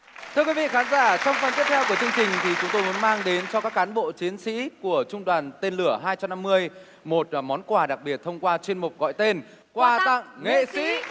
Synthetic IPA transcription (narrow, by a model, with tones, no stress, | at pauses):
tt̪ʰɨ˧əkwi˨˦vḭ˧˨xaː˨˦nzaː˧˩t͡ɕɔ˧wŋ͡mfə˨˩nt̪i˦˥p̚t̪ʰɛ˧wku˧˩ət͡ɕɨ˧əŋt͡ɕï˨˩ŋ̟t̪ʰi˨˩t͡ɕʊ˨˦ŋ͡mt̪o˧jmu˨˦ə˦nmaː˧ŋɗe˨˦nt͡ɕɔ˧kaː˦˥kːaː˨˦nɓo̰˧˨t͡ɕi˨˦ənsḭ˧˥ku˧˩ət͡ɕʊ˧ŋ͡mɗwaː˨˩nt̪e˧nlɨ˧˩əɦaː˧jt͡ɕa˧mna˧mːɨ˧əj | mo˨˩t̚mɔ˨˦nkwaː˧˩ɗa˨˩k̚ɓi˨˩ət̚t̪ʰə˧wŋ͡mkwaː˧t͡ɕe˧nmʊ˨˩k͡p̚ɣɔ̰˧˨jt̪e˧n | kwaː˧˩t̪a̰˧˨ŋŋḛ˧˨sḭ˧˥